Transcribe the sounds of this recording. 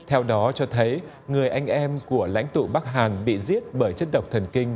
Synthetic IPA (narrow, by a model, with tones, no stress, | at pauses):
t̪ʰɛ˧wɗɔ˨˦t͡ɕɔ˧t̪ʰə˨˦j | ŋɨ˨˩əjʔa˧jŋ̟ʔɛ˧mku˧˩əla̰˧˥jŋ̟t̪ṵ˧˨ɓa˦˥k̚ɦaː˨˩nɓḭ˧˨zi˦˥ət̚ɓəː˧˩jt͡ɕə˦˥t̚ɗə˨˩wk͡p̚t̪ʰə˨˩nkï˧ŋ̟